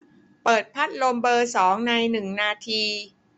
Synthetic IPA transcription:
pɤː˨˩t̪̚pʰa˦˥t̪̚lo˧mbɤː˧sɔː˩˦ŋna˧jnɯ˨˩ŋnaː˧t̪ʰiː˧

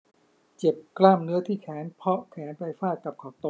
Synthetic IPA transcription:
t͡ɕe˨˩p̚klaː˥˩mnɯ˨˦˥ɐt̪ʰiː˥˩kʰɛː˩˦npʰɔ˦˥kʰɛː˩˦˥nfa˧jfaː˥˩t̪̚ka˨˩p̚kʰɔː˨˩t̪o˧˩

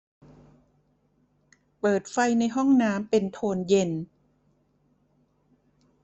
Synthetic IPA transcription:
pɤː˨˩t̪̚fa˧jna˧jɦɔ˥˩ŋnaː˦˥mpe˧nt̪ʰoː˧nje˧n

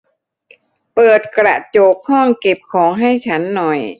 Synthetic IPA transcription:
pɤː˨˩t̪̚kɾa̰˨˩t͡ɕoː˨˩k̚ʰhɔː˥˩ŋke˨˩p̚kʰɔː˩˦ŋɦa˥˩jt͡ɕʰa˦˥nːɔ˨˩j

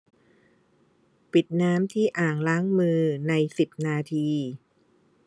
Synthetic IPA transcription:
pi˨˩t̪̚naː˦˥mt̪ʰiː˥˩ʔaː˨˩ŋlaː˦˥ŋmɯː˧na˧jsi˨˩p̚naː˧t̪ʰiː˧

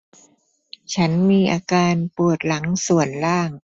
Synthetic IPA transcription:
t͡ɕʰa˦˥nmiː˧ʔaː˧kaː˧npu˨˩ət̪̚la˩˦ŋsu˨˩ənlaː˥˩ŋ

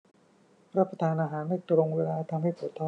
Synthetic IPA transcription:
ɾa˦˥˩pɾa˧t̪ʰaː˧nʔaː˧ɦaː˩˦ndaː˥˩jt̪ɾo˧ŋweː˧laː˧t̪ʰa˧mɦa˥˩jpʰu˨˩˦t̪ʰːɔ˥˩

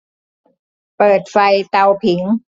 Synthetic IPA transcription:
pɤː˨˩t̪̚fa˧jt̪a˧wpʰi˩˦ŋ

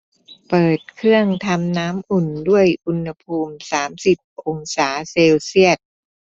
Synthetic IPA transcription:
pɤː˨˩t̪̚kʰɾɯ˥˩əŋt̪ʰa˧mnaː˦˥mʔu˨˩ndu˥˩əjʔu˧nha˧pʰuː˧msaː˩˦msi˨˩p̚ʔo˧ŋsaː˩˦seː˧wsi˥˩ət̪̚

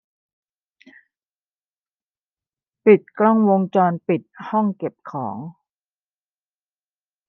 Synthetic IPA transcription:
pi˨˩t̪̚klɔ˥˩ŋwo˧ŋt͡ɕɔː˧npi˨˩t̪̚hɔ˥˩ŋke˨˩p̚kʰɔ̰ː˩˦ŋ

